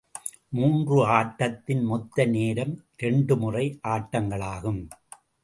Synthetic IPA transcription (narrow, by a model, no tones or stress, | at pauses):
muːndrɯaːʈːɐt̪ːɪnmɔt̪ːɐneːɾɐm | ɾɛɳɖɯmʊrɐɪʔaːʈːɐŋɡɐɭaːɣɯm